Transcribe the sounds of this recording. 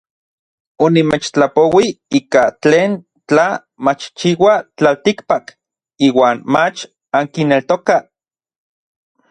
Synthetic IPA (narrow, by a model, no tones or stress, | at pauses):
onimet͡ʃt͡ɬapowiiːkat͡ɬeːn | t͡ɬa | mat͡ʃt͡ʃiwat͡ɬalt̪ikpak | iːwaːnmat͡ʃ | aŋkinelt̪oka